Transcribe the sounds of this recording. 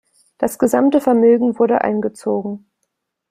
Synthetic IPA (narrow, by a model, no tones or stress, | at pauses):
d̥asɡ̥əzamtəfɛɐmøːɡŋ̩vʊɐɾə̰ʔa̰ɪnɡət͡soːɡŋ̩